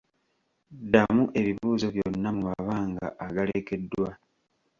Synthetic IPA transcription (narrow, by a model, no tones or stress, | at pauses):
damuʔe̞βiβuːzo̞βjonːamumaβaːŋɡa̰ʔːɡaleke̞dːwa